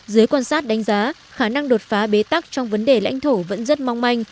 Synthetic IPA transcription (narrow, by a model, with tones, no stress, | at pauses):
zɨ˨˦əjkwaː˧nsaː˦˥t̚ɗa˨˦jŋ̟zaː˨˦ | xaː˧˩na˧ŋɗo˨˩t̚faː˨˦ɓe˨˦t̪a˦˥k̚t͡ɕɔ˧wŋ͡mvə˨˦nɗe˧˩la̰˧˥jŋ̟t̪ʰo˧˩və̰˧˥nzə˦˥t̚ma˧wŋ͡mma˧jŋ̟